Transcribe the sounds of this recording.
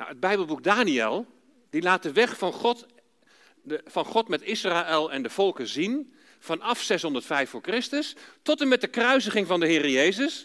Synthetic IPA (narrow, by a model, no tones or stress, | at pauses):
na̰wəd̚bɛjbəlˠbuk̚daːniɛlˠ | d̥ilaːt̚dəʋɛχfnɔt | fɑnχɔtmɛtɪsraːɛlˠɛndəv̥ɔlˠkəzin | fɑnɑfsɛsɦɔndərtfɛjfʊːɹkrɪstəstɔtəmɛt̚dəkrœɥsəχɪŋvɑndəɦɪːrəjejzəs